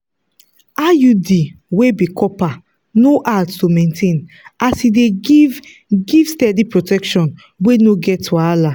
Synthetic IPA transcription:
ajudiwebikɔpa | noʔattomẽntʰẽn | asidev | ɡivstɛdipɹotɛkʃɔ̃n | wenoɡɛtuala

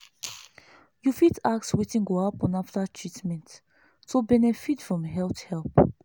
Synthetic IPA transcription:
jufitak̚twitĩnɡoapɔ̃naftatʰɹitmɛ̃ntː | ubɛnɛfitfɹɔ̃mɦɛlθhɛlp

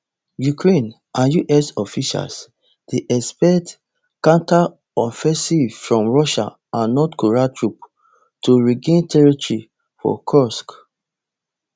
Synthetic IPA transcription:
jukɹẽn | ãnjuʔɛsɔfiʃa̰ls | d̥eʔɛspɛt | kãnta | ɔfɛ̃sivfɹɔ̃mɹɔʃa̰ | ãnːɔtkoɹatɹup | tuɹiɡẽntʰɛɹitɹi | fɔ̰kʰɔsk

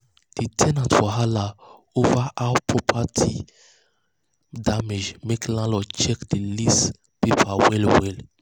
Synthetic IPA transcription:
d̥itʰɛnãntfɔɦala | ovaʔaʊpʰɹɔpʰatʰi | damed͡ʒmeklãlɔt͡ʃɛkdelis | pepʰawɛlwɛl

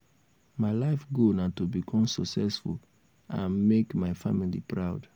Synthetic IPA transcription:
maɪlaɪfɡonatubikʰɔ̃msɔksɛsfṵl | ʔã̰nmekmaɪfamilḭpɹaʊd

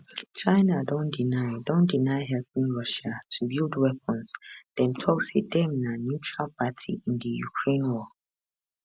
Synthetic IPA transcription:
t͡ʃãɪnadɔ̃ndinaɪdɔ̃ndinaɪɦɛlpĩŋɹɔʃatʰubilˠdwɛp̚ʰɔ̃nzd̥ɛ̃mtʰɔksedɛ̃mnanjutɹalpʰatʰḭĩndəjṵkʰɹẽnwɔ

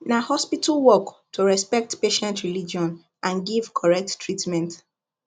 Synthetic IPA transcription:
nahɔspitʰalwɔktʰuɹɛspɛk̚tpeʃɛ̃ntɹilid͡ʒiɔ̃n | ʔãnɡiv̥kʰɔɹɛk̚tːɹitmɛ̃nt

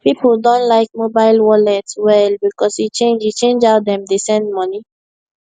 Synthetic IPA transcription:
pipl̩dõntlaɪk̚mobaɪlwɔlɛtwɛlbikɔsit͡ʃẽnd͡ʒit͡ʃẽnd͡ʒaʊt̚dɛ̃mdesɛ̃nd̚mɔni

